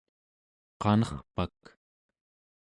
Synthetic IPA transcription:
qɑnʌχpak

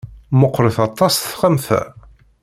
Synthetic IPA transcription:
mʊqːɾəθɑt̪ˤːɑsθχəmθæ̰

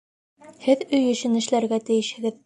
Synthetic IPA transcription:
hɘðɵjɵ̆ɕɘnɘ̆ʃlæɾɡæt̪ɘ̆jɘ̆ʃhɘ̆ɡɘð

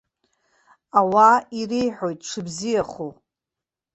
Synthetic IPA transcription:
awairejħo̞jtʼʂʰɨbzijaχu

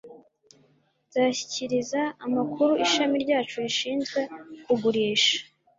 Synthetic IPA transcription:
z̥aːɕi̥ciɾizaːmakʰuɾuʔiʃamiɾɟaːt͡ʃuiʃiːnzɡwe̞kuɡuɾiːʃḁ

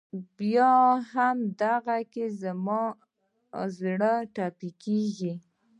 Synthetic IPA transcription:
bjɑhamd̪aɣakezamɑ | zɽəʈɑpikeɡi

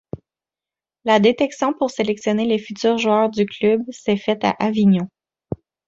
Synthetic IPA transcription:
lad̪et̪ɛksjɔ̃puʁselɛksjɔnelefyt̪yːʁʒuœːʁd̪yklybsɛfɛt̪a̰ʔaviɲɔ̃

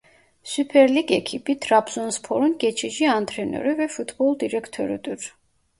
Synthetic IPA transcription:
supʰɛɾliɡɛkʰipʼit̪ʰʼɾapʰzɔnspʰɔɾunɡɛt͡ʃʰid͡ʒiant̪ʰʼɾɛnɛ̰ɾivɛfut̪ʰbɔlˠd̪iɾɛkʰt̪ʰɔ̰ɾḭt̪ʼuɾ

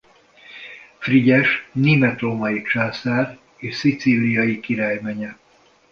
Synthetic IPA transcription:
friɟɛʃneːmɛt̪romɒjit͡ʃaːsaːr | eːʃsit̪silijɒjikiɾaːjmɛɲɛ

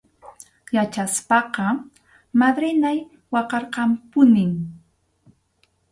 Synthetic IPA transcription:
jat͡ʃaspɑqɑ | mad̪ɾɪnaj | wɑqɑɾqɑmpʊnɪm

